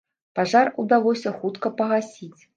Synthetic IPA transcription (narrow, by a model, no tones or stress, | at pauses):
paʐarud̪alˠɔsʲɐxut̪kɐpɐɣasʲit͡sʲ